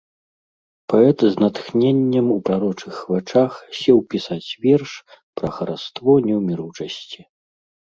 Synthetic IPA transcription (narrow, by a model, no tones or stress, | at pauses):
paɛt̪znɐt̪xnʲenʲːɐmupɾaɾɔt͡ʂɨxvat͡ʂaxsʲɛwpʲisat͡sʲvʲɛrʂpɾɐxɐɾast̪vɔnʲɛwmʲiɾut͡ʂɐsʲt͡sʲi